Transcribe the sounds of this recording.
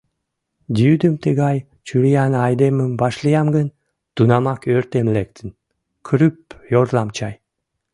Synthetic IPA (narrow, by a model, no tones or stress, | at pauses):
d̪ʲiyd̪əmt̪əɣɑj | t͡ɕyɾijɑnɑjd̪eməmbɑʃlijɑmɡən | t̪unɑmɑkøɾt̪emlek̚t̪ʰən | kʰɾyp̚jorlɑmt͡ɕɑj